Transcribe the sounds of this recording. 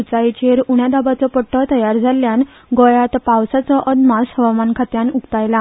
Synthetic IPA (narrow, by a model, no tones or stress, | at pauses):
ut͡sait͡ɕeɾuɽjad̪abat͡sɔpəʈʰːət̪əjaɾd͡zʱaljan | ɡɔjat̪pawsat͡sɔʔəd̪mashəʋamankʰat̪janukt̪ajla